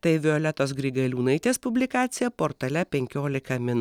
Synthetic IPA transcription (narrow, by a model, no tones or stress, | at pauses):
t̪ɐɪʋʲɪɔlʲɛt̪oːsɡɾʲɪɡɐlʲuːnɐɪt̪ʲeːspʊbʲlʲɪkɑːt̪sʲɪjɛpoːɾt̪ɐlʲɛpʲɛŋʲkʲoːlʲɪkɐmʲɪn